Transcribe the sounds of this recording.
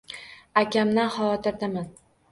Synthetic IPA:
akʲamnahɒwɒt̪ʰɪɾd̪aman

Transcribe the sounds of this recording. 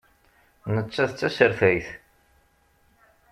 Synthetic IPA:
nət͡sːæðət͡sːæsəɾfæjθ

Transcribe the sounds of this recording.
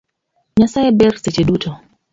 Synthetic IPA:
ɲasaɛbɛɾsɛt͡ʃɛdutɔ

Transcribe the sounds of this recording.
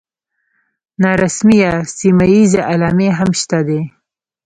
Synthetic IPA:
nɑɾasmijasimajizeʔalɑmeɦamʃt̪ad̪e

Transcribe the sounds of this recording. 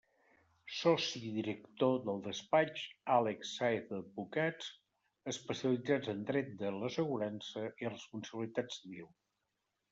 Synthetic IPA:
sɔsiðiɾəkt̪oðəlˠd̪əspat͡ʃalɛksːaeθəd̪̚bukat͡s | əspəsiəlid͡zad͡zənd̪ɾɛt̪̚d̪ələsəɣuɾansəʔirəspunsəβlit̪ad͡zðəβiw

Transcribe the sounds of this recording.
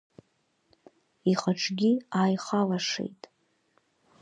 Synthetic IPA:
iχaʈ͡ʂʷʰʼɡʲiaːjχalaʂḛjtʼ

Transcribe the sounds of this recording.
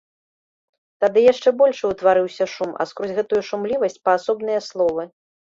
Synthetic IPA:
t̪ad̪ɨjaʂt͡ʂɛbɔlʲʂwt̪vaɾɨwsʲɐʂuma̰skɾɔzʲɣɛt̪ujuʂumlʲivɐsʲt͡sʲpɐːsɔbn̪ɨjɐslˠɔvɨ

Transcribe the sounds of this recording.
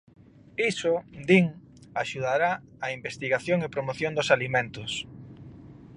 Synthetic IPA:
isʊd̪iŋ | aʃuðaɾa | aimbest̪iɣaθjoŋɪpɾomoθjond̪ʊsalimẽnt̪ʊs

